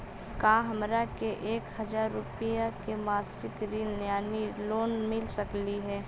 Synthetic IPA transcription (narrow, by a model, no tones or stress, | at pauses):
kãːɦɐmɾakeʔeːkhɐd͡ʒaːɾːʊpijakemaːsɪkɾiːnljaːniloːnmɪlsəkliɦɛː